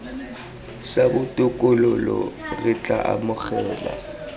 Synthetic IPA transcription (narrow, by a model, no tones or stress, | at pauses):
sabʊtʼʊkʼʊlʊlɔ̰rɪt͡ɬʼaʔamʊk͡xɛːla̰